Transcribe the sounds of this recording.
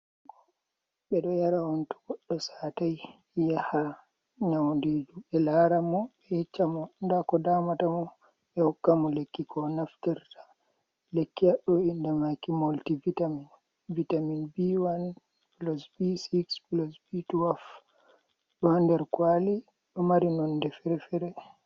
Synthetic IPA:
ɓɛɗɔjaɾawɔntu̥ɡɔɗːɔsataj | jaha | ɲawnded͡ʒuɓɛlaːɾamɔɓɛɛt͡ʃːamɔndakɔdamatamɔ | ɓɛhɔkːamɔlekːikɔnaftɛɾtḁ | lekːiaɗɔindɛmakimoltivitamin | vitaminbiwan | plɔsbisiksplɔsbituaf | ɗɔhandɛɾkwali | ɗɔmaɾinɔndɛfɛɾɛfɛɾɛ

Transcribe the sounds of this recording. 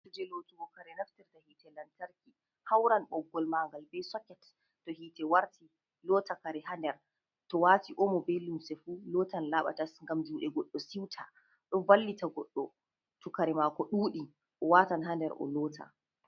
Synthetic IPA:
ɾd͡ʒɛlotuɡɔkaɾɛnaftiɾtahitɛlantaɾki | hawɾanɓɔɡːɔlmaːŋɡalbɛjsɔkɛtː | ɔhitɛwaɾti | lɔːtakaɾɛɦandɛɾ | tɔwatiʔɔmɔbɛlumsɛfuːlɔːtanlaɓa̰tasŋɡamd͡ʒuːɗɛɡɔɗːɔsiwtʰa | ɗɔvalːitaɡɔɗːɔ | tukaɾɛmakɔɗuːɗi | ʔɔwatanɦandɛɾʔɔ̰lɔːtʰa̰

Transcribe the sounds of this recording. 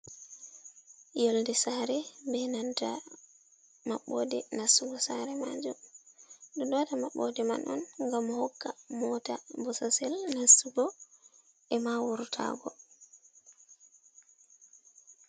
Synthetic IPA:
joldɛsaːɾɛbɛnanta | maɓɔ̰dɛnasuɡɔsaɾɛmad͡ʒum | ɗɔɗɔtamaɓːɔdɛma̰nʔɔ̰nŋɡamːhɔkːamɔtabɔsasɛlnasuɡɔ | ʔɛmawuɾtʰa̰ːɡɔ

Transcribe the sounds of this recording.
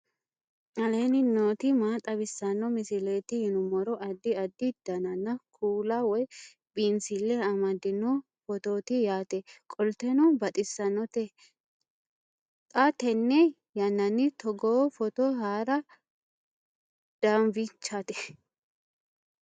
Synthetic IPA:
ʔɐlenɪnoːt̪ɪmaːt̪ʼɐbɪsːɐnːɔmɪsɪleːt̪ɪhɪnʊmɔɾɔʔɐd̪ːɪɐd̪ːɪd̪̥ɐnɐnːɐkʰuːlawɔj | binsɪlːɛɐmɐd̪ɪnːɔ | fɔt̪oːt̪ɪjaːt̪ɛkʼɔlt̪ɛnɔbɐt̪ʼɪsːɐnːɔt̪ɛ | t̪ʼat̪ɛnːɛ | jɐnːɐnːɪt̪ɔɡoːfɔt̪oɦaːɾɐ | d̪̥aːnvɪt͡ʃːat̪ɛ̥

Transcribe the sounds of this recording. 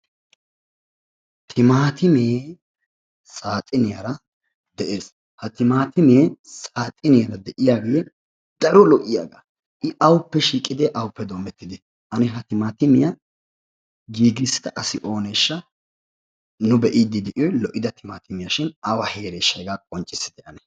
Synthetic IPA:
t̪ʰɪmaːt̪ɪmeː | sʼaːt̪ʼɪnɪjɐɾɐ | d̪ɛʔeːs | hɐt̪ɪmaːt̪ɪmeːsaːt̪ʼɪnɪjɐɾɐd̪ɛʔɪjaːɡɪjɛ | d̪̥ɐɾɔlɔʔɪja̰ːɡa | ʔɪʔɐwʊpːɛʃiːkʼɪd̪ɛʔɐwʊpːɛd̪oːmɛt̪ːɪd̪ɪ | ʔɐnɪɦɐt̪ɪmaːt̪ɪmɪjɐ | ɡiːɡɪsːɪ̥t̪ɐʔɐsɪʔo̞ːneʃːɐ | nʊbɛʔɪd̪ːɪd̪ɛʔɪjɔlɔʔɪd̪ɐt̪ʰɪmaːt̪ɪmɪjɐʃɪnɐwɐhe̞ːɾeːʃːɐɡaːkʼɔnt͡ʃʼːɪsɪd̪ɛʔɐnɛ̥

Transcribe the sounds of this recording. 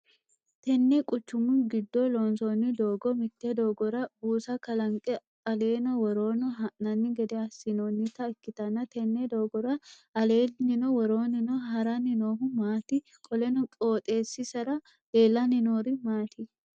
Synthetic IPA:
t̪ɛnːɛkʼʊt͡ʃːʊmʊnɡɪd̪ːɔloːnsonːɪd̪o̞ːɡɔmɪt̪ːɛd̪oːɡɔɾɐbuːsɐkɐlɐŋkʼɛ | ɐle̞ːnɔwɔɾo̞ːnɔɦɐnɐnːɪɡɛd̪ɛɐsɪnonːɪt̪ɐɪkːɪt̪ɐnːɐt̪ɛnːɛd̪oːɡɔɾɐ | ɐle̞ːnɪnɔwɔɾo̞ːnɪnɔɦɐɾɐnɪnoːɦʊmaːt̪ɪ | kʼɔlɛnɔkʼo̞ːt̪ʼe̞ːsːɪsɐɾɐ | d̪̥e̞ːlːɐnɪnoːɾɪmaːt̪ɪ

